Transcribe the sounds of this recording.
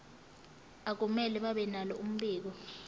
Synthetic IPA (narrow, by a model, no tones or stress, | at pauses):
ak̬umɛlɛɓaɓɛnalɔum̩ɓiːk̬ɔ